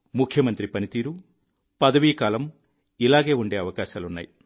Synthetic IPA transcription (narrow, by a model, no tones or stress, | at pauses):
mukʰjɐmɐnt̪ɾipɐnit̪iːɾu | pɐd̪ɐʋiːkaːlɐm | ilaːɡeːuɳɖe̞ːɐʋɐkaːʃaːlunːa̰ːji